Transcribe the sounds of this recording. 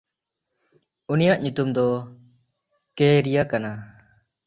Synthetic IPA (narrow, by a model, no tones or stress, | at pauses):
unijaʔɲut̪umd̪ɔ | keɾijakana